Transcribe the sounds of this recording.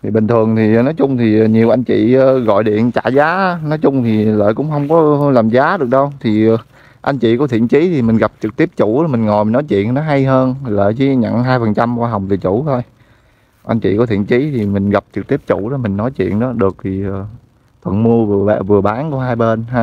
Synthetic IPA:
t̪ʰi˨˩ɓï˨˩ŋ̟t̪ʰɨ˨˩əŋt̪ʰi˨˩nɔ˨˦jt͡ɕʊ˧ŋ͡mt̪ʰi˨˩˨ɲi˨˩əwʔa˧jŋ̟t͡ɕḭː˧˨˧ɣɔ̰˧˨jɗḭ˧˨ənt͡ɕa̰ː˧˩zaː˨˦nɔ˨˦jt͡ɕʊ˧ŋ͡mt̪ʰi˨˩lə̰ː˧˨jkʊ̰˧˥ŋ͡mhə˧wŋ͡mkɔ˨˦laː˨˩mzaː˨˦ɗɨ˨˩ək̚ɗə˧wt̪ʰiː˨˩˨ | ʔa˧jŋ̟t͡ɕḭ˧˨kɔ˨˦t̪ʰḭ˧˨ənt͡ɕi˨˦t̪ʰi˨˩mi˨˩ŋ̟ɣa˨˩p̚t͡ɕɨ˨˩k̚t̪i˦˥əp̚t͡ɕu˧˩˨mï˨˩ŋ̟ŋɔ˨˩jmi˨˩nɔ˨˦jt͡ɕwḭ˧˨ənnɔ˨˦ɦa˧jɦəː˧nlə̰ː˧˨jt͡ɕi˧˦ɲə̰˧˨ŋɦaː˧jfə˨˩nt͡ɕa˧mkwaː˧ɦa˨˩wŋ͡mt̪ɨ˨˩t͡ɕu˧˩t̪ʰo˧j | ʔa˧j̟t͡ɕḭ˧˨kɔ˨˦t̪ʰḭ˧˨ənt͡ɕi˨˦t̪ʰi˨˩mï˨˩ŋ̟ɣa˨˩p̚t͡ɕɨ˨˩k̚t̪i˦˥p̚t͡ɕu˧˩˥ɗɔ˨˦mï˨˩ŋ̟nɔ˨˦jt͡ɕwḭ˧˨ənɗɔ˨˦ɗɨ˨˩ək̚t̪ʰi˨˩əː˨˩ | t̪ʰwə̰˧˨˩nmu˧əvɨ˨˩əa˧˨vɨ˨˩əɓaː˨˦nkɔ˧˦ɦaː˧jɓe˧naː˧

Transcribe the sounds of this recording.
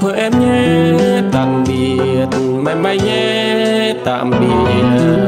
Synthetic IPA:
pʰə˧ʔɛ˧mɲɛ˧˦t̪a˨mɓi˨˩ | ət̪̚ | ma˧mɓa˧˦jɲɛ˧ | t̪a̰˧˨mɓi˨˩ət

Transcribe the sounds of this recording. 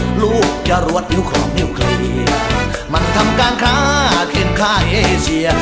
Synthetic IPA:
luː˥˩k̚t͡ɕa˧ɾu˧˥ət̪̚nu˧˥˦kʰɔː˨˦ŋni˧˥˩ə˨wkʰɤ˧ni˧˩ | ma˧˥nt̪ʰa˧mkaː˧nkʰaː˥kʰe˧nkʰaː˥˩ʔeː˧˥˩ʔeː˧si˧ɐ

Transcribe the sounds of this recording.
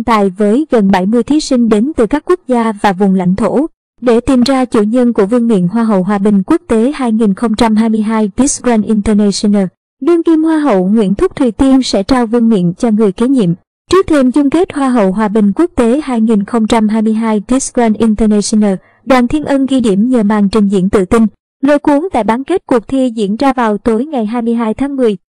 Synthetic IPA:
nt̪a̰ː˧˨jvəː˨˦jɣə˨˩nɓa˧˩jmɨ˧əjt̪ʰi˨˦sï˧ŋ̟ɗe˨˦nt̪ɨ˨˩kaː˦˥kːu˦˥k̚zaː˧vaː˨˩vʊ˨˩ŋ͡mla̰˧˨jŋ̟t̪ʰo˧˩ | ɗe˧˩t̪i˨˩mzaː˧t͡ɕṵ˧˩ɲə˧nku˧˩əvɨ˧əŋmḭ˧˨ənɦwaː˧ɦə̰˧˨wɦwaː˨˩ɓï˨˩ŋ̟ku˦˥ək̚t̪e˨˦haː˧jŋi˨˩nxə˧wŋ͡mt͡ɕa˧mɦaː˧jmɨ˧əjɦaː˧jvi˨˦˥sɡwaː˧nʔi˧nt̪ə˧nɛ˧si˧naː˧ | ɗɨ˧əŋki˧mhwaː˧ɦə̰˧˨wŋwḭ˧˥ənt̪ʰʊ˦˥k͡p̚t̪ʰwi˨˩t̪i˧ənsɛ̰˧˥t͡ɕaː˧wvɨ˧əŋmḭ˧˨ənt͡ɕɔ˧ŋɨ˨˩əjke˨˦ɲḭ˧˨əm | t͡ɕɨ˦˥ək̚t̪ʰe˧mzʊ˧ŋ͡mke˦˥t̚hwaː˧ɦə̰˧˨wɦwaː˨˩ɓï˨˩ŋ̟ku˦˥ək̚t̪e˨˦haː˧jŋi˨˩nxə˧wŋ͡mt͡ɕa˧mɦaː˧jmɨ˧əjɦaː˧jvi˨˦˥sɡwa˧nʔi˧nt̪ə˧nɛ˧si˧naː˧˩ | ɗwa̰ː˧˨nt̪ʰi˧ənʔə˧nɣi˧ɗi˧˩əmɲəː˨˩maː˨˩ŋt͡ɕï˨˩ŋ̟zḭ˧˥ənt̪ɨ̰˧˨t̪i˧ŋ | lə̰˧˨jku˨˦ŋt̪a̰ː˧˨jɓaː˨˦nke˦˥t̚ku˨˩ək̚t̪ʰi˧zḭ˧˥ənzaː˧vaː˨˩wt̪o˨˦jŋa˨˩jɦaː˧jmɨ˧əjɦaː˧jt̪ʰaː˨˦ŋmɨ˨˩əj

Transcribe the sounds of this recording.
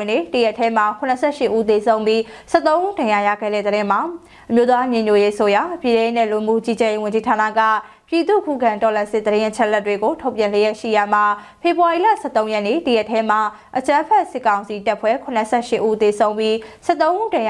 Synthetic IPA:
nḛ˦˨tə˨jɛ˦˨tʰːɛ˦ma˨kʰʊ̃˨nə˨sʰɛ˦˨ʃɪ˦ʔu˦t̪e˨sʰõ˦ʊ̃mbji˦sɛ˦t̪õ˦ʊ̃ʔu˦dã˨ja˨ja̰˦˨ɡɛ̰˦˨ɾɛ̰˦˨d̪əɾɪ̃˦ma˨ | əmjo˦t̪ða˦ɲẽ˨ɲjo˦˨je˦ʔəso˦ja˨˦pji˨ɾɛ̃˦je˦nɛ̰˦˨lu˨mṵ˦˨t͡ɕi˦d͡ʑɛ˦˨je˦wʊ̃˨ɲd͡ʑi˦tʰa˨na̰˦˨ɡa̰˦˨ | pji˨t̪ṵ˦˨kʰṵ˦˨ɡã˨ntɔ˨lã˨sɪ˦ʔ̚d̪əɾɪ̃˦ʔət͡ɕʰɛ˦ʔlɛ˦tːwe˨ɡo˨tʰo˦ʊpjã˨le˨jɛ˦ʔʃḭ˦˨ja˨ma˨ | pʰe˨bwa˨i˨la̰˦˨sɛ̰˦˨t̪õ˦ʊ̃jɛ˦ʔnḛ˦˨tə˨jɛ˦ʔtʰːɛ˦m̥a˨ | ʔət͡ɕã˦pʰɛ˦ʔsɪ˦kːã˨ʊ̃nsi˨ta˦ʔpʰwɛ˦˨kʰʊ˨nə˨sʰɛ̰˦˨ʃɪ˦ʔːu˦t̪e˨sʰõ˦ʊ̃mbji˦sɛ˦ʔt̪õ˦ʊ̃ʔu˦dã˨j

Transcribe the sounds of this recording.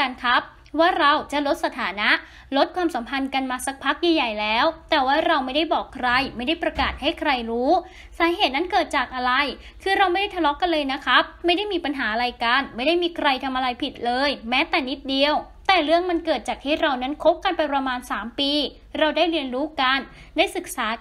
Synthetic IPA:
ka˧nkʰa˦˥p̚ | waː˥˩ɾa˧wt͡ɕa˨˩lo˦˥t̪̚sa˧˩t̪ʰaː˩˦na˦˥ʔ | lo˦˥t̪̚kʰwaː˧msa˩˦mpʰa˧nka˧nmaː˧sa˦˥k̚pʰa˦˥k̚jaː˧jːa˨˩jlɛː˦˥wt̪ɛː˨˩waː˥˩ɾa˧wma˥˩jda˥˩jbɔː˨˩kʰɾa˧jma˥˩jda˥˩jpɾa˧kaː˨˩t̪̚ha˥˩jkʰɾa˧jɾuː˦˥ | saː˩˦ɦeː˨˩t̪̚na˦˥nkɤː˨˩t̪̚t͡ɕaː˨˩k̚ʔa˧ɾa˧j | kʰɯː˧ɾa˧wma˥˩da˥˩t̪ʰlɔ˦˥kːa˧nlɤː˧jna˦˥kʰɾa˦˥pma˥˩jda˥˩jmiː˧pa˧nɦaː˩˦a˧ɾa˧jka˧nma˥˩jda˥˩jmiː˧kʰɾa˧jt̪ʰa˧mʔa˧ɾa˧jpʰi˨˩t̪̚lɤː˧jmɛː˦˥t̪ɛː˨˩ni˦˥t̪̚di˧əw | t̪ɛː˨˩ɾɯ˥˩əŋma˧nkɤː˨˩t̪̚t͡ɕaː˨˩k̚t̪ʰiː˥˩ɾa˧wna˦˥nkʰo˦˥p̚kːa˧npa˧jpɾa˧maː˧nsaː˩˦mpiː˧ | ɾa˧wdaː˥˩jɾi˧ənɾuː˦˥ka˧n | daː˥˩jsɯ˨˩k̚saː˩˦

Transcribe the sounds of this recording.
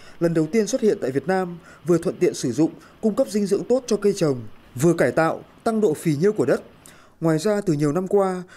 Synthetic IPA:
lə˨˩nɗə˨˩wt̪i˧ənswə˦˥t̚hḭ˧˨nt̪a̰ː˧˨vi˨˩ət̚naː˧m | vɨ˨˩ət̪ʰə˧˨nt̪ḭ˧˨ənsɨ˧˩zʊ̰˧˨ŋ͡m | kʊ˧ŋ͡mkə˦˥p̚zï˧ŋzɨ̰˧˨əŋt̪o˦˥t̚t͡ɕɔ˧kə˧jt͡ɕə˨˩wŋ͡m | vɨ˨˩əkaː˧˩jt̪a̰ː˧˨wt̪a˧ŋɗo̰˧˨fi˨˩ɲi˧əwku˧˩əɗə˦˥t̚ | ŋwaː˨˩jzaː˧t̪ɨ˨˩ɲi˨˩əwna˧mkwaː˧

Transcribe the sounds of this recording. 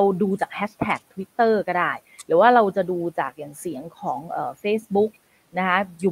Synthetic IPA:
a˧wduː˧t͡ɕaː˨˩k̚hʰɛː˦˥t̪ʰɛː˨˩k̚t̪ʰwi˦˥t̪ːɤː˥˩kɔ˥˩daː˥˩j | ɾɛː˩˦waː˥˩ɾa˧wt͡ɕa˨˩duː˧t͡ɕaː˨˩k̚jaː˨˩ŋsi˩˦əŋkʰɔː˩˦ŋʔɤː˨˩feː˧˥˩sbu˦˥k̚ | na˦˥kʰa˦˥juː˨˩

